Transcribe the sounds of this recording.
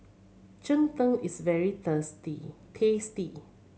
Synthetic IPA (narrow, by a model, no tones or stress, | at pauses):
d͡ʒə̃nt̪əlisvɛɹit̪əsti | pʰesti